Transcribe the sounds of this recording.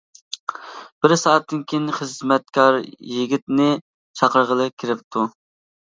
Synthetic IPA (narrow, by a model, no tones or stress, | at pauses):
b̥ɪɾsɑːɛt̪̚ːɪnkʲʰenχəzmɛt̪̚kʰɑɾjiɡʲit̪nɪ | t͡ʃʰɑqʰəɾʁəlˠɨkʲʰiɾɪp̚t̪ʰu